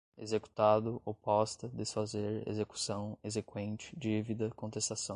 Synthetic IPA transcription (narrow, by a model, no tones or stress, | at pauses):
ezeku̥t̪ad̪ʊʔopɔst̪ɐd̪esfazeɾḛzeku̥sɐ̃w̃ezekwẽnt͡ʃɪ̥d͡ʒivid̪ɐkõnt̪est̪asɐ̃